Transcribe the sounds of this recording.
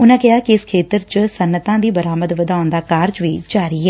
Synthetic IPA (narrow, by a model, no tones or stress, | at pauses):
ʊnãːkɪɦaːkiɪskʰeːt̪əɾt͡ʃsənːət̪ãːd̪iːbəɾaːməd̪ʋəd̪aːʊnd̪aːkaːɾd͡ʒʋiːd͡ʒaːɾiːɦɛː